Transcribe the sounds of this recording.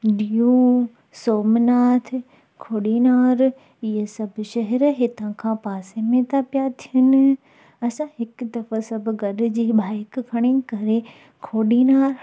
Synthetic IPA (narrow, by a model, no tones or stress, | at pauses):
ɗijũ | soːmnaːt̪ʰ | kʰoːɗinaːɾ | ɪɦesɐbʱʃɐɦɛɾɦɪt̪ãkʰãpaːsemẽt̪apijat̪ʰijənɪ̆ | ɐsãɦɪkd̪ɐfəsɐbʱɡɐɗʊ̆d͡ʑiːɓaːɪkkʰɐɽ̃ekɐɾe | kʰoːɗiːnaːɾ